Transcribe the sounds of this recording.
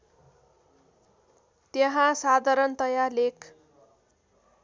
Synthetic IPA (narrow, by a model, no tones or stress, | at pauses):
t̪jeɦãsad̪ʱaɾʌnt̪ʌjalek